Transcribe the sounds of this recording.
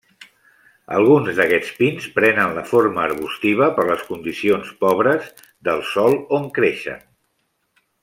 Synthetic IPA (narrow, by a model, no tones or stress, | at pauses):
ə̰lˠɣunzðəkɛt͡spinspɾɛnənləfoɾməːɾβ̞ust̪iβ̞əpəɾləskund̪isionspɔβɾəz | d̪əlˠsɔlˠoŋkɾeʃə̰n